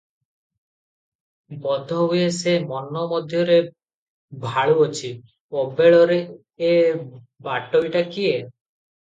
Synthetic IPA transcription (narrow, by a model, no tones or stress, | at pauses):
bɔd̪ʱɔɦuesemɔnɔmɔd̪ʱjɔɾe | bʱaɭuɔt͡ʃʰi | obeɭɔɾeː | baʈɔjʈakie